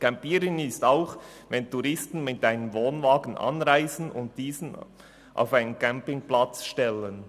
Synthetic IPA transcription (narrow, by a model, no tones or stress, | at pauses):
kɛmpiːɾɪnɪstaʊχ | vɛntuɾɪstn̩mɪt̚daɪnəmvoːnvɑːɡən̩ʔɑ̰nʁaɪzən̩ʊ̰nt̚d̥iːzn̩ | ʔa̰ʊfaɪnənkʰɛmpɪŋplɑt͡sʃtɛlən